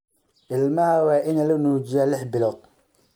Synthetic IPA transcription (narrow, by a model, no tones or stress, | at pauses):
ʔɪlmaːwaʔɪnalɪnud͡ʒijalɪħbɪlot̪̚